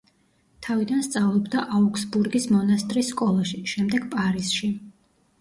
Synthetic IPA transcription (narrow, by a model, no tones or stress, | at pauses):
t̪ʰavid̪anst̪sʼavlˠɔbd̪aʔaukʰsbuɾɡismɔnast̪ʼɾisːkʼɔlˠaʃiʃɛmd̪ɛɡ̥pʼaɾisʃi